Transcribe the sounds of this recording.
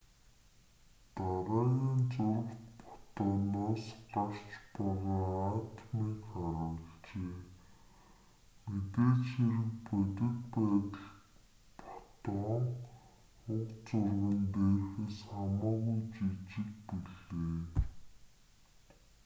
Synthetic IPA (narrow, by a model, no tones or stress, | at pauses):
t̪aɾaːɣiːnt͡sʊr̆kt̪pɔ̥t̪ɔːnaːsɢar̥t͡ɕpɔʁɔːaːt̪miːkχaɾʊːɬt͡ɕeː | met̪eːt͡ɕxeɾɘ̆kpœt̪ɪ̆t̪pæːt̪ə̆ɮ | pɔ̥t̪ɔːŋ | ʊkt͡sʊrɣə̆nt̪eːrxeːsχamaːɣujt͡ɕit͡ɕɪ̆kpiɮeː